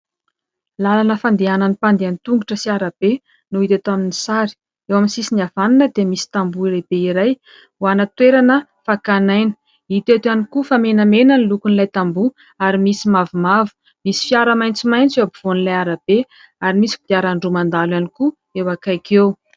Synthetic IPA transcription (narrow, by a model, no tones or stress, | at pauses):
lalanəfand̪eananipand̪eant̪uŋɡuʈ͡ʂəsiaɾab̥e | nuit̪et̪aminisaɾi̥ | ewaminsisiniav̥aninəd̪emisi̥t̪ambuileb̥eiɾaj | uanət̪weɾanə | fakanajnə̥ | it̪et̪anikufamenəmenənilukunlajt̪ambu | aɾimisimavumavu̥ | misi̥fjaɾəmajnt͡simajnt͡sewabiv̥onilajaɾab̥e | aɾimisi̥bit̪iaɾaɳɖ͡ʐumand̪alwaniku | ewakajkew